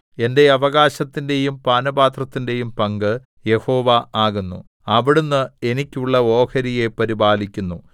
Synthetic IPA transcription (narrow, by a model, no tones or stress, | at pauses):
e̞nde̞ɐʋɐɣaːɕɐt̪ːinde̞jumpaːnɐbaːt̪rɐt̪ːinde̞jumpɐŋɡɨ | je̞ho̞ːʋɐaːɣunːṵ | ɐʋiɽunːɨe̞nikʲːuɭːɐo̞ːkɐɾije̞pɐɾibaːlikʲːunːu